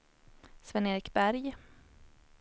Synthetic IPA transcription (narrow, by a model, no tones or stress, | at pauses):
svɛneːɾɪkbæɾj